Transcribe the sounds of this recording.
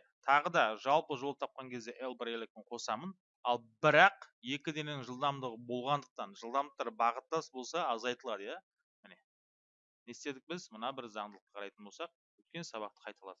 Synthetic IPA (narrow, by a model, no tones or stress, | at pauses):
t̪ʰɑʁəd̪ɑʒɑlˠpəʒolˠət̪ʰɑp̚qɑŋkʲʰe̞zd̪e̞ʔelˠbɾelˠekʲeɴqʰo̞sɑmən | ɑlˠbɪɾɑqje̞kʲɪd̪enɪŋʒəlˠd̪ɑmd̪əʁəbo̞lˠʁɑnd̪əq̚t̪ɑnʒəlˠd̪ɑmd̪əq̚t̪ɑɾbɑʁət̪ːɑsbo̞lˠsɑːzɑjt̪əlˠɑd̪əjɑ | mɪne̞ | ne̞st̪e̞d̪ɪk̚bɪzmənɑbɪɾzɑɴd̪əlˠəqt̪ə̥qʰɑɾɑjt̪ənbo̞lsɑq̚ | wɵt̪kʲe̞nsɑβɑq̚t̪ə̥qʰɑjt̪ɑlˠɑ̰d̪ə